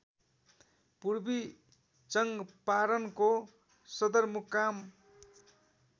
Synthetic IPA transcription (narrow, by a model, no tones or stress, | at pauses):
purbi | t͡sʌŋɡpaɾʌnko | sʌd̪ʌrmukːam